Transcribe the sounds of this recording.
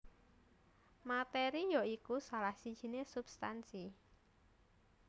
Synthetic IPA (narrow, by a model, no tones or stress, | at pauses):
mat̪eɾijoikusalahsid̥ʒ̥i̤nesub̥st̪ansi